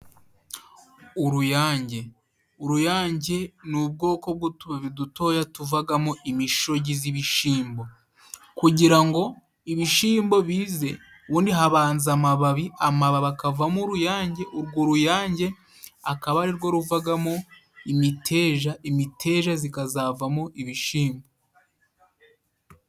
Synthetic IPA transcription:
uɾujaːɲɟe̞ | uɾujaːɲɟe̞nub̚ɡo̞ːko̞b̚ɡutuβaβiduto̞ːjatuvaɡamoʔimiʃo̞ɟiziβiʃiːmbo̞ | kuɟiɾaŋɡo̞ | iβiʃiːmbo̞βiːze̞ | βuːndiɦaβaːnzamaβaβiamaβaβakavamuɾujaːɲɟe̞ʔuɾɡoɾujaːɲɟe̞ | akaβaɾiɾɡo̞ɾuvaɡamo | imitʰeːʒaimitʰe̞ːʒazikazavamoʔiβiʃiːmbo

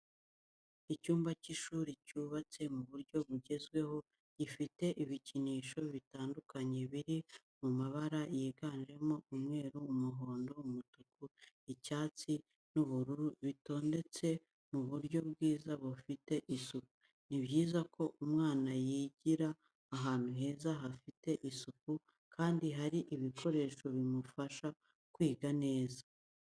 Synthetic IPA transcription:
icuːmbaciʃuːɾicuːβat͡se̞muβuɾɟo̞βuɟe̞zɡwe̞ho̞ | ɟ̥ifite̞ʔiβiciniːʃo̞βitaːndukaɲe̞βiɾi | mumaβaɾajeːɡaːnʒe̞mo̞umŋe̞ːɾuumuɦoːndoumutuku | icaːt͡si | nuβuɾuɾuβito̞ːnde̞t͡se̞ | muβuɾɟo̞bɡiːzaβufite̞ʔisuku | niβɟiːzakʰo̞umŋaːnajiːɟiɾaː | ɦaːn̥uɦe̞ːzaɦafite̞ʔisuku | kʰaːndiɦaɾiʔiβikʰo̞ɾe̞ːʃo̞βimufaʃa | kwiːɡane̞ːza

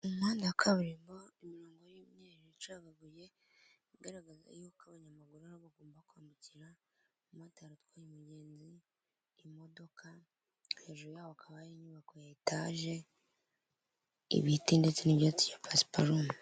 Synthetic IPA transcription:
umaːndakʰaβɾiːmboimiɾoːŋɡojumɲeɾiit͡ʃaɡaɡuje̞ | iɡeɾaɡaza̰jukaβaɲamaɡuɾuaɾoβaɡoːmbakuaːmbuciɾa | umaːntaaɾatkwajimuɟe̞ːnziː | mo̞do̞kʰa | he̞ːʒuɾjaːβoakʰaβajiɲuβakojaitaʒe̞ | ḭβihitinde̞t͡seniβjat͡si̥japʰasi̥pʰaɾuma

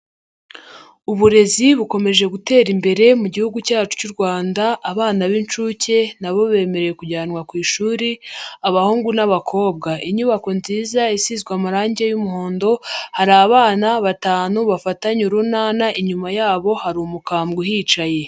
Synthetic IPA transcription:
uβuɾe̞ziβuko̞me̞ʒe̞ɡute̞ːɾimbe̞ɾe̞muɟihuɡucaːt͡ʃu̥cuɾɡwaːndaʔːβaːnaβint͡ʃuːce̞naβo̞βe̞ːme̞ɾe̞jekuɟaːnwakwiːʃuːɾiaβahuːŋɡunaβakʰo̞ːβ̚ɡaʔiɲuβako̞nziːzaisizɡwamaɾaːɲɟe̞jumuho̞ːndo̞haɾaβaːnaβataːnuβafataɲuɾunaːnaʔiɲumajaːβo̞haɾuːmukaːmɡuɦit͡ʃaje̞

